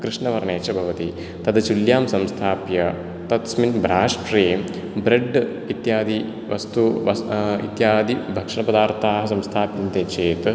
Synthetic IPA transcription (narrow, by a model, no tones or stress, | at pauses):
kɾɪʂɳɐʋɐɾɐɳeːt͡ʃɐbʱɐʋɐt̪i | t̪ɐd̪ɐt͡ʃuljaːmsɐmst̪ʰaːpjɐ | t̪ɐt̪sminbʱɾaːʂʈɾeːm | bɾeɖ | it̪jaːd̪i | ʋɐ̰st̪uʋɐḭt̪jaːd̪ibʱɐkʂɐɳɐpɐd̪aːɾt̪ʰaːɦɐ̆sɐmst̪ʰaːpint̪eːt͡ʃeːt̪